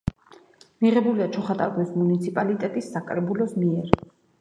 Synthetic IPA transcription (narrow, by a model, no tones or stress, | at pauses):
miʁɛbuliat͡ʃʰɔχat̪ʼa̰ɾkwɛsmunit̪sʰipʼalit̪ʼɛt̪ʼisːakʼɾɛbulɔsmiɛɾ